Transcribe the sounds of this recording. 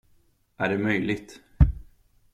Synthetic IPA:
ʔæɖɛmœjlɪɡt̪

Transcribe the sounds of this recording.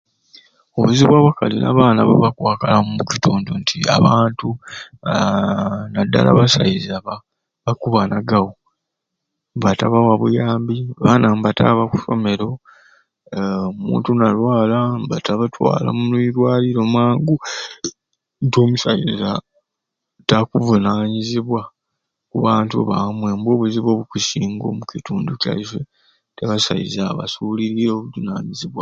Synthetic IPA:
oβuziβwaːβakalinʔa̰βaːnaβaβakwaːkalamumucituːndontʰia̰βaːntu | nadːa̰la̰βasa̰izaβa | βakuβanaɡawo | bataβawaβujaːmbiβanambata̰βaku̥so̞̰me̞ɾo̞ | omṵːntunalwaːlambataβatwa̰ːla̰munwiɾwaːliɾo̞mwaːŋɡu | toːmusajiza | takuvunaːɲiziβwa | kuβaːntuβamwe̞mboːβuziβo̞ːβukusiːŋɡo̞̰mukituːnduca̰iʃe | teβasa̰jḭzaβa̰suliɾiɾoːβuvunaːɲiziβwa

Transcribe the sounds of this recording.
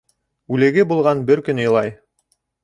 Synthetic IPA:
ʉlɘ̆ɡɘbulˠʁɑnbɘɾkɵnŏjlˠɑj

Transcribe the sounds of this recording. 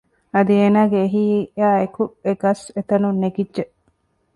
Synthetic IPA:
ɐd̪ieːnaːɡeːɦiːjaːekueɡɐset̪ɐnunːeɡidʒeʔ

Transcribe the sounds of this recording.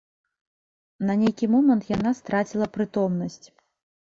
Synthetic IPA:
nɐnʲejkʲimɔmɐnt̪janast̪ɾat͡sʲilˠɐpɾɨt̪ɔmnɐsʲt͡sʲ

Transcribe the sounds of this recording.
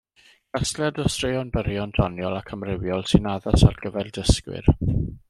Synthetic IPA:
ɡ̥asljadɔstrɪɔnbəɾjɔndɔnjɔlˠakʰəmrɪwjɔlˠsɪnaðasa̰rɡ̥əvɛlˠdəskwɪ̰r

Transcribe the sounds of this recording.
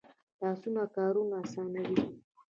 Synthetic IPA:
tasunakaɾunasanaɾi

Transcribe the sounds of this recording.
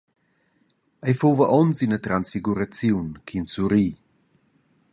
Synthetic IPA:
ajfowvəʔɔnsinət̪ɾansfiɡuɾat͡sjuwnkʰinsuɾi

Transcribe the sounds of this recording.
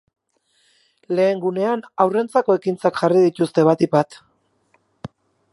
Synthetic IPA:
le̞ːŋɡune̞anawre̞nt͡sako̞e̞kint͡sakʝariðit̪ust̪e̞βat̪ipat̪

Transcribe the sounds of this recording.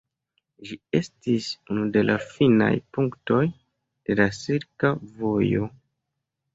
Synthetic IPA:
ʒie̞stisunude̞lʔa̰fina̰jpuŋkto̞j | d̥e̞lasiɾkavo̞jo̞̰

